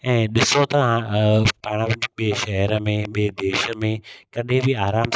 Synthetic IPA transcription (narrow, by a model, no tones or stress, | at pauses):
ɛ̃ːɗɪsot̪ɐãpaːɽ̃aʋɐɲk̚ɓeːʃɛɦəɾəmẽɓeːd̪eːʃəmẽkɐɗɦẽbʱiaːɾaːm